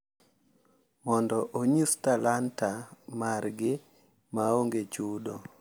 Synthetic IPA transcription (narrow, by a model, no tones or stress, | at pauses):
mɔndɔʔoɲustalantamarɡɪ | maoŋɡet͡ʃudo